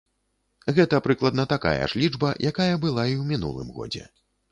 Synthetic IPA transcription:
ɣɛt̪ɐpɾɨklˠɐd̪nɐt̪aka̰jɐ̰ʂlʲid͡ʐbɐjʔakajɐbɨlˠaiwmʲinṵlˠɨ̰mɣɔ̰d͡zʲɛ̰

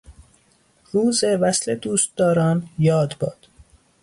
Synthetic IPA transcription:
ɾuːzevæsle̞d̪uːst̪̚d̪ɒːɾɒːnjɒːd̪bɒːd̪̥

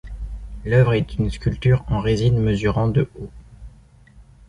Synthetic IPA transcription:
lœvʁɛt̪ynskʲylt̪yʁɑ̃ʁezinməzyʁɑ̃d̪əo

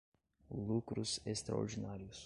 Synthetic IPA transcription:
lukɾʊzest̪ɾa̰o̰ɾd͡ʒinaɾjʊs

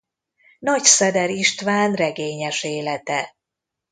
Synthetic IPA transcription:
nɒcsɛd̪ɛɾiʃt̪ʋaːnrɛɡeːɲɛʃeːlɛt̪ɛ

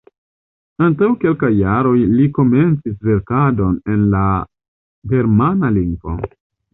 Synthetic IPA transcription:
antawke̞lkajːaɾo̞jliko̞me̞nt͡sis̬ve̞ɾkado̞ne̞nla | ɡe̞ɾmanaliŋɡvo̞̰

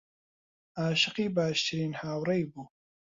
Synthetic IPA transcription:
aːʃɨqiːbaːʃt̪ʰɨɾiːnhaːwɾɐjbuː

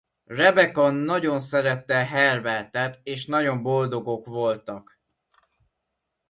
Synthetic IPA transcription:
rɛbɛkonːɒɟo̞nsɛɾɛt̪ːɛɦɛrbɛlt̪ɛt̪eːʃnɒɟo̞mbo̞ld̪o̞ɡo̞kʋo̞lt̪ɒk

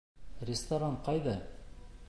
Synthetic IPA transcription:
rʲɪst̪ɐɾaŋqɑjðɑ

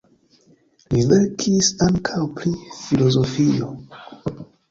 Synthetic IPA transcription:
liveɾkʰisaŋkʰawpɾifilo̞zo̞fio̞

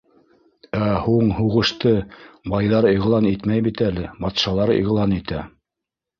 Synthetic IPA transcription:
æhuɴhuʁɤ̆ʃt̪ɤbɑjðɑɾiʁlˠɑnit̪mæjbit̪ælɘbɑt̪ʃɑlˠɑɾḭʁlˠɑnit̪æ

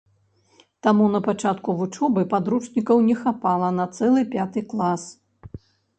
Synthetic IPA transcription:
t̪amunɐpat͡ʂat̪kuvut͡ʂɔbɨpad̪ɾut͡ʂnʲikɐwnʲɛxapalˠɐnɐt̪sɛlˠɨpʲat̪ɨklˠas

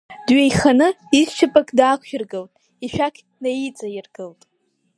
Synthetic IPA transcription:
dɥejχanɨizt͡ʃʰapʼakʼdaːkʷʰʃᶣɪrɡɨltʼ | iʃᶣakʲʰ | najit͡sʼajɪrɡɨltʼ

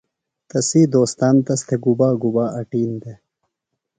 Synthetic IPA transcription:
t̪ɐsiːd̪oːst̪aːnt̪ɐst̪eɡubaːɡubaːʔɐʈiːnd̪e

